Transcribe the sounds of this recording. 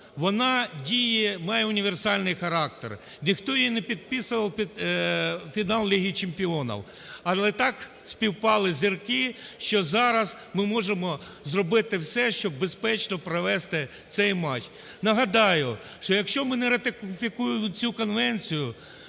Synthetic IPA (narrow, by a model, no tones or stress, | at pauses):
ʋɔnɑdʲijɛmɑjɛʊnʲiʋersɑlʲnɪjxɐɾɑk̚t̪ḛr | nʲixt̪ɔjinɛpʲid̪̚pɪsʊʋɐwpʲid̪ | fʲinɑlˠlʲiɦʲit͡ʃempʲiɔnɐ̰w | ɐlˠɛt̪ɑk | sʲpʲiwpɑlˠɪzʲirkɪʃt͡ʃɔzɑɾɐz | mɪmɔʒemɔ | zrɔbɪt̪ɪwsɛʃt͡ʃɔb̚ːespɛt͡ʃnɔpɾɐʋɛst̪ɪ | t̪sɛjmɑt͡ʃ | nɐɦɐd̪ɑjʊ | ʃt͡ʃɔjɐkʃt͡ʃɔmɪnɛɾɐt̪ɪkfʲɪkujɪmʊt͡sʲukɔnʋɛnʲt͡sʲijʊ